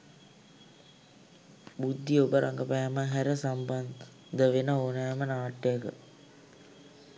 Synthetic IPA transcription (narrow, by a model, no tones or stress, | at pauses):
bud̪ʱːiobəɾʔaŋɡəpæːməɦæɾəsamban | d̪əʋenəoːnaːmənaːʈːejəkə̰